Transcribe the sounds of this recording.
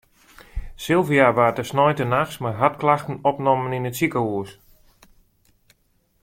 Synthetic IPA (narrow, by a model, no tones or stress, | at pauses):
sɪlˠviaʋaːdəsnɔjtənaxsmarɦatklaxtən̩ɔpnɔməninətsikəuəs